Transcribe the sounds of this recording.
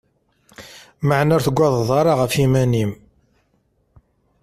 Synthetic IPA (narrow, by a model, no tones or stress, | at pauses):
məʕnæɾθəɡʷːɑðˤðˤɑɾˤɑʁəfimænim